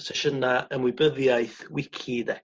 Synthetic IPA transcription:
tʰɛʃənaənwɪbəðjaɨθwɪkʰɪdɛ

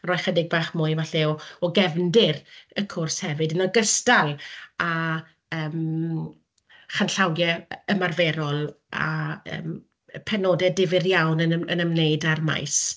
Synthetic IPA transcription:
rɔːjχədɪɡ̚baːχmʊɨvaɬɛɔɔɡɛvndɪrəkʰʊrshɛvɨdənɔɡəstalˠa | əːm | χanɬawjɛəmarvɛɾɔlˠ | a̰ə̰ːm | pʰɛnoːdɛdɪvɪrjawnəə̰nəmneɨdarma̰js

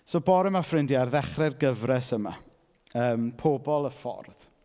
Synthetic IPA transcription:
soːbɔːɾəmafrɪndjarðɛχrɛrɡəvrɛsəma̰ | əːmpʰobɔlˠəfɔ̰rð

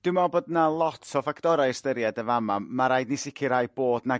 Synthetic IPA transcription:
d̥ɪmɔbodnalˠɔtʰɔfakʰtɔɾajstəɾjadəvamamaɾajdnisɪkʰɨɾajboːdna

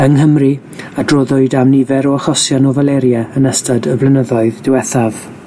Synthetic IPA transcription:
əŋɦəmri | adroðʊɨdamnɪvɛɾɔaχɔsjanɔvalˠɛɾjɛənəstadəblˠənəðɔɨðdɪwɛθav̥

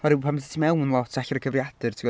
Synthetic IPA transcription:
ɔɾɨwpʰamsi̥tʰimɛwnlˠɔtʰaɬaɾəɡʰəvrjad̥ɨrtʰiw

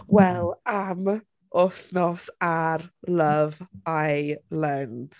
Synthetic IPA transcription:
wɛlˠam | ɔθnɔsarləvajlɛnd̥

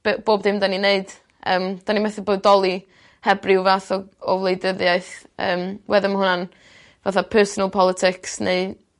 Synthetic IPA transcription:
b̥boːbðɪmdanineɨd̥ | əːmd̥animɛθɪboːdɔlˠi | hɛbrɪwvaːθɔɔvlˠejdəðjaɨθə̰ːmwɛðɪnmhɦʊnan | vaθapʰɜːsɔnalˠpʰɔlˠɪtʰɪksneɨ

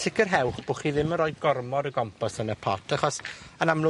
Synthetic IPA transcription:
sʰɪkʰərɦɛwχb̥ʊχiːðɪmənɾɔːjd̚ɡɔrmɔdəɡɔmpʰɔsənəpʰɔ̰tʰaχɔsanamlˠʊ

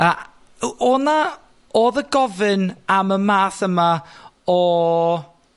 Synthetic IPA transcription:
a | ɔna | oːðəɡɔvɨnaməmaːθəmaɔ

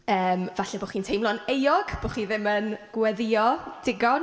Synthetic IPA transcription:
əːmvaɬɛboχiːntʰejmlˠɔnejɔɡ̥b̥oχiːðɪmənɡ̥wɛðɪɔd̥ɪɡɔ

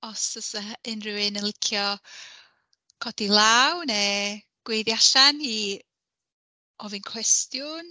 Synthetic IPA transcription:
ɔsəsaɪnrɨwɪnənlɪkʰjɔ | kʰɔdilˠawnɛ | ɡ̥wejðjaʃani | ɔvɨnkʰwɛstjʊn

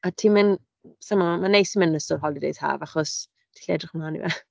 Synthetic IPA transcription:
atʰimɪn | samamanejsimɪnnəstʊrɦɔlˠdidḛjð̥ha̰ːvaχɔs | tʰi̥ɬɛ̰drɪχmlaːnḭvɛ

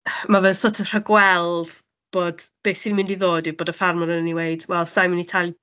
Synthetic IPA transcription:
mavɛðˠsotʰər̥əɡwɛlˠd̥ | b̥oːd̥b̥eːsinmɪndiðoːdɪboːdəfarmɔnənəniwejd̥wɛlˠsajmɪnitʰalˠ

